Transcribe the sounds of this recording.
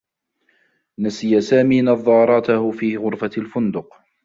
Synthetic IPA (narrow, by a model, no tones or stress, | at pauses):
nasɪjasaːmiːnɑðˤːɑːɾˤɑt̪ahʊfiːɣʊɾfalfʊnd̪ʊq